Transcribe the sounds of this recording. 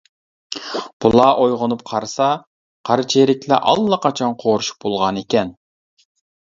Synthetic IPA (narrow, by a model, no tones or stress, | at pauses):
b̥ulˠɑʔojʁʊnup̚qʰɑɾsɑ | qʰɑɾt͡ʃʰeɾɪkʲlɛʔɑ̰lˠːɑqɑt͡ʃʰɑnqʰoɾuʃu̥p̚bolˠʁɑnekʲɛn